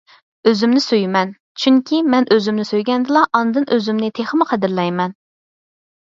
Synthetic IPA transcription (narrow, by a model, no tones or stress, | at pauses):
øzymnɪsøjmɛn | t͡ʃʰyŋkʲʰimɛnʔøzymnɪsøjɡʲɛnd̪ɨlˠɑʔɑnɨd̪ɨnʔøzymnɪt̪ʰeχəmɨqʰæd̪ɪɾlɛjmɛn